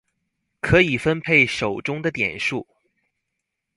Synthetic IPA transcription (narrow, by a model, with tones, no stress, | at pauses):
kʰɤ˧˥i˨˩fə˥npʰe˥˩ɪʂo˨˩ʊʈ͡ʂʊ˥ŋd̪ə˨t̪jɛ̰˨˩nʂu˥˩